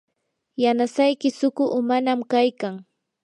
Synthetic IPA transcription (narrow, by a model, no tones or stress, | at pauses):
janasajkɪsʊkʊʔʊmanamkajkaŋ